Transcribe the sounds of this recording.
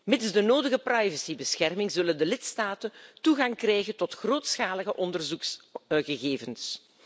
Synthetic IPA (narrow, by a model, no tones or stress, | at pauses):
mɪdəzdənoːdəɣəprajvəsibəsxɛrmɪŋzɵləndəlɪtstaːtəntuɣɑŋkrɛjɣəntɔtxroːtsxaːləɣəʔɔndərzuksɣəɣeːvəns